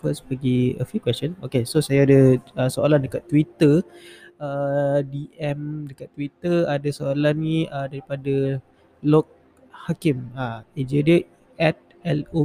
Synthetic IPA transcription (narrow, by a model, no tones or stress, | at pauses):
fəspəɡiə̰fikwɛst͡ʃənokesosajaːdəəsoalandəkat̪ːwit̪ə | ədiʔɛmdəkat̪ːwit̪əadəsoalanːiədaɾipada | lɔk̚ | hakimaed͡ʒədə | ɛt̪̚ | ɛlo